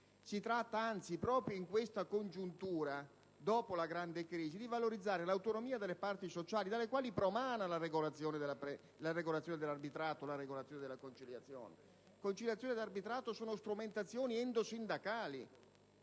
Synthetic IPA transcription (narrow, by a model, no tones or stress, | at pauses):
sit̪ɾat̪ːaant̪sipɾɔːpɾjoiŋkwest̪akond͡ʒunt̪uːɾa | d̪ɔːpolaɡɾand̪ekɾiːzid̪ivaloɾid̪zːaːɾelawt̪onomiːad̪elːepart̪isot͡ʃaːlid̪alːekwaːlipɾomaːnalaɾeɡolat̪sːjɔːned̪lape | laɾeɡolat̪sjɔːned̪elarbit̪ɾaːt̪olaɾeɡolat̪sːjoned̪elːakont͡ʃiljat̪sːjo̰ːnḛ | kont͡ʃiljat̪sjoːned̪arbit̪ɾaːt̪osuːnost̪ɾument̪at̪sːjoːniɛnd̪osind̪akaːlḭ